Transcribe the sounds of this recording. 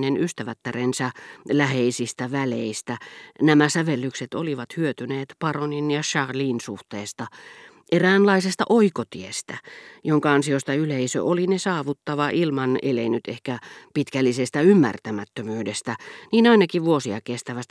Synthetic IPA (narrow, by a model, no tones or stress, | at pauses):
nenyst̪æʋæt̪ːærensɑlæheisist̪æʋæleist̪ænæmæsæʋelːykset̪oliʋɑt̪hyøt̪yneːt̪pɑroninjɑʃɑrliːnsuht̪eːst̪ɑ | ʔeræːnlɑisest̪ɑ̰ʔoikot̪iest̪æjoŋkɑɑnsiost̪ɑyleisø̰ʔolinesɑːʋut̪ːɑʋɑʔilmɑnḛlḛinyt̪ehkæpit̪kælːisest̪æymːæ̰rt̪æmæt̪ːømyːdest̪æniːnɑinɑkiʋʋuosiɑ̰kest̪æʋæst̪